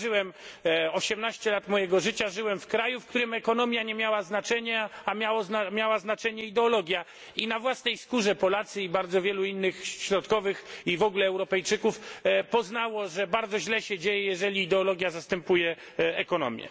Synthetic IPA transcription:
ʐɘwɛmɔɕɛmnaɕt͡ɕɛlat̪mɔjɛɡɔʐɘt͡ɕaʐɘwɛmfkɾajufkt̪uɾɘmɛkɔnɔmʲjaɲɛmʲjawaznat͡ʂɛɲɛamʲjawɔzmʲjawaznat͡ʂɛɲɛid̪ɛɔlɔɡʲja | inavwasnɛjskuʐɛpɔlat̪sɘibaɾd̪zɔvʲjɛluinːɘxɕɾɔt̪kɔvɘxivɔɡulɛːwɾɔpɛjt͡ʂɘkufpɔznawɔʐɛbaɾd̪zɔʑlɛɕɛd͡ʑejɛjɛʐɛlʲiːd̪ɛɔlɔɡʲjazast̪ɛmpujɛ | ɛkɔnɔ̰mʲjɛ̰

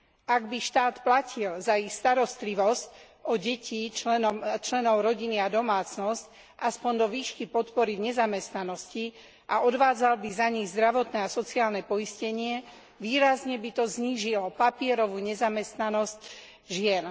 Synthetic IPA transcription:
ʔaɡbiʃt̪aːt̪placʰilzaixst̪aɾɔst̪liʋɔsc | ɔɟɛcʰit͡ʃlɛnɔmt͡ʃlɛnɔʊɾɔɟiniad̪ɔmaːt͡snɔsc | ʔaspɔnd̪ɔʋiːʃkipɔt̪pɔɾivɲɛzamɛst̪nanɔsci | ʔaʔɔd̪ʋaːd͡zalbizaɲiɣzd̪ɾaʋɔt̪nɛasɔt͡siaːlnɛpɔiscɛɲɪɛ | ʋiːɾazɲɛbit̪ɔzɲiːʒilɔpapɪɛɾɔʋuːɲɛzamɛst̪nanɔsc | ʒɪɛn

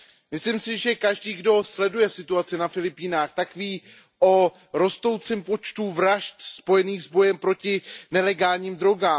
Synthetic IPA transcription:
mɪslimsɪʒɛkaʒdiːɡdo̞slɛdujɛsɪt̪uat͡sɪnafɪlɪpiːnaːxt̪akviː | ʔo̞ | ɾo̞st̪o̞wt͡sɛmpo̞t͡ʃt̪uːvɾaʃt̪spo̞jɛniːɣzbo̞jɛmpɾo̞cɪnɛlɛɡaːlɲiːmd̪ɾo̞ɡaː

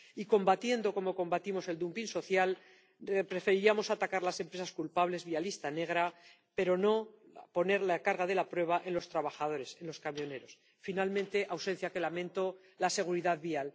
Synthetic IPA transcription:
iko̞mbat̪je̞nd̪o̞ko̞mo̞ko̞mbat̪imo̞se̞ld̪umpinso̞θjal | pɾe̞fe̞ɾiiamo̞sat̪akaɾlase̞mpɾesaskulpaβle̞zβialist̪ane̞ɣɾa | pe̞ɾo̞no̞ | po̞ne̞ɾlakaɾɣaðe̞lapɾwe̞β̞aʔe̞nlo̞st̪ɾaβaxað̞o̞ɾe̞se̞nlo̞skamjo̞ne̞ɾo̞s | finalmẽnt̪e̞ʔawse̞n̟θjake̞lamẽ̞nt̪o̞ | lase̞ɣ̞uɾiðaðβial

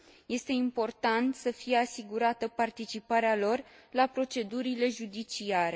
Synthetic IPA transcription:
je̞st̪e̞impo̞rt̪ant̪səfije̞asiɡuɾat̪əpart̪it͡ʃipaɾealo̞r | lapɾo̞t͡ʃe̞d̪uɾile̞ʒud̪it͡ʃiaɾe̞

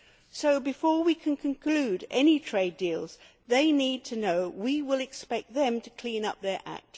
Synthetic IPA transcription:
soʊbɨfɔɹwikʰɨ̃nkʰɨ̃nkʰl̥ʉɾɛ̰nitʰɹ̥eɪdilˠz̥ | ðeɪnid̚tʰɨnoʊwiwɪlˠɨkspɛk̚t̪̚ðɨ̃mtʰɨkʰl̥ĩnʌ̰p̚ðə˞ʔæ̰k̚t

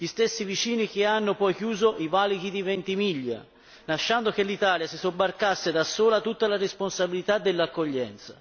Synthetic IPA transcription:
ʎist̪esːivit͡ʃiːnik̟eanːopɔjkjuːzoʔivaliɡid̪ivɛnt̪imiʎːa̰ | naʃːand̪ok̟elːit̪aːljasisobːarkasːed̪asːoːlat̪ut̪ːalaresponsabilit̪ad̪ːelːakːoʎːɛnt̪sḁ̰

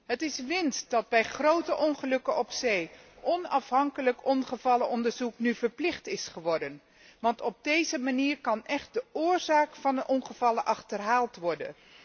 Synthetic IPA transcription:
ɦətɪsʋɪnsd̥ɑd̚bɛjχrowtəʔɔnχəlɵkənɔpsejʔɔnɑfɦɑŋkələkɔnχəvɑləʔɔndəɹzuknyvəɹplɪχtɪsχəʋɔɹdən | ʋɑntɔb̚dejzəmaniːɹkɑnɛχt̚dəʊːɹzaːkfɑnəʔɔnχəvɑləʔɑχtərɦaːlˠtʋɔɹdə̰n

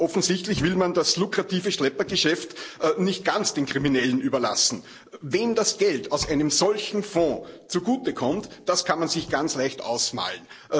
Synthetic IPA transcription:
ʔɔfn̩zɪçtlɪçvɪlmandaslʊkʁ̥atiːvəʃlɛpɐɡəʃɛftʔnɪçt̚ɡ̥ant͡sd̥eːnkʁiminɛlənyːbɐla̰sn̩ | veːndasɡ̥ɛltɑʊsʔæɪnəmzɔlçn̩fõːt͡suɡuːtəkʰɔmtd̥askʰanmanzɪçɡ̥ant͡slæɪçtʔa̰ʊsma̰ːln̩

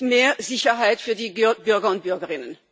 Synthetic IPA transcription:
meːɐzɪçɐɦaɪtfyːɐdiːbʏɐɡɐʊnt̚b̥ʏɐɡəʁɪnən

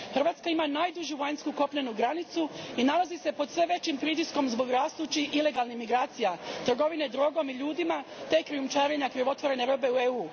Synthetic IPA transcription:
xərɾʋaːt̪skaimanaːjd̪uʒjuʋajɲskuko̞pʎenuɡɾanit̪suinalˠazise̞po̞d̪sʋe̞ʋe̞t͡ɕimpɾit̪̬isko̞mzbo̞ɡɾaːst̪ut͡ɕiʔile̞ɡalˠnimiɡɾaːt̪sijat̪r̩ɡo̞ʋine̞d̪ɾo̞ɡo̞miʎuːd̪imat̪e̞kɾijumt͡ʃaːɾe̞ɲakɾiʋo̞t̪ʋo̞ɾe̞ne̞ɾo̞be̞ueuː

